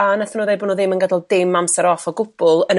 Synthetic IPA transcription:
anaθənɔðejbɔnɔðɪmənɡədalˠd̥ɪmːamsɛɾɔfɔɡʊb̥ʊlˠən

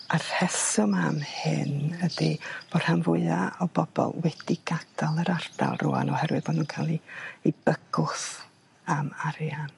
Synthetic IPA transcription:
ar̥hɛsʊmamhɪnəd̥ib̥od̥hamvʊɨaɔb̥ɔb̥ɔ̰lˠwɛd̥iɡad̥alˠəɾard̥a̰lˠrṵa̰nɔhɛɾwɨðboːdnuːnkʰalˠiib̥əɡ̥ʊθ | amaɾjan

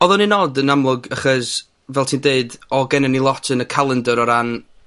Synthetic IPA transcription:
ɔðɔninɔdənamlˠʊɡaχɔs | vɛlˠtʰiːndeɨdɔɡɛnɛnilˠɔtʰənəkʰalˠəndəɾɔɾan

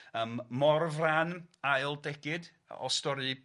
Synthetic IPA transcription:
əmːɔrvranajlˠdɛɡ̥ɪd | ɔ̰stɔɾɨ

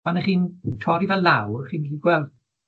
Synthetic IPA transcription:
anɛχiːntʰɔɾivɛlawχiːnidiɡwɛlˠd̥

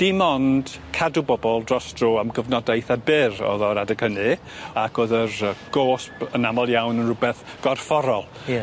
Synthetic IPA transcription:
d̥imɔnd̥kʰadubɔbɔlˠdrɔsd̥roːamɡəvnɔdajθabɪrɔ̰ðɔɾadəkʰənɨ | akʰoːðərəɡ̥oːspənamɔlˠjawnənrʊbɛθɡ̥ɔrfɔɾɔlˠ

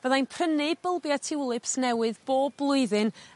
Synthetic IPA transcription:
vəðajnpʰrənɪb̥əlˠbjatʰɪwɪlˠɨpsnɛwɨðb̥oːb̚lˠʊɨðɨn

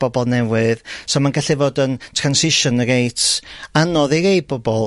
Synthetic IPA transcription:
b̥ɔbɔlˠnɛwɨðsɔmanɡaɬivoːdəntʰransɪʃɔnəɡejtʰanɔðejɾej̚bɔbɔlˠ

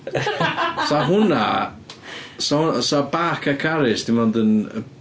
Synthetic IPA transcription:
saɦʊna | sɔhʊnsabaːkʰakʰaɾɪsd̥ɪmɔndənə̰

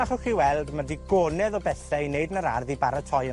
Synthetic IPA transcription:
aχɔχiwɛlˠdmadiɡɔːnɛðɔbɛθɛineɨdnəɾarðibaɾatʰɔjə

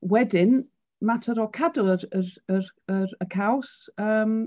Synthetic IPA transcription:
wɛdɪn | matʰəɾɔkʰadʊəɾəɾərəɾəkʰawsəːm

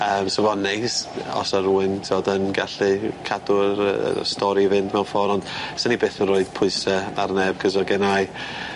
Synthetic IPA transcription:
əːmsəvɔnːejsɔ̰saɾuɨntʰoːdənɡaɬikʰadʊɾə̰stɔɾivɪndmɛwfɔɾɔnd̥sənibeːθəroːɨð̥pʰʊɨsəarnɛb̚ɡʰəzɔɡɛnaj

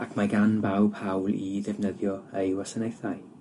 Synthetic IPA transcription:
akʰmaɡanbawb̥ʰhawlˠiðɛvnəðjɔejwasənejθaj

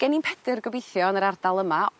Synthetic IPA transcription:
ɡ̥ɛninpʰɛdɪrɡəbejθjɔnəɾardalˠəma

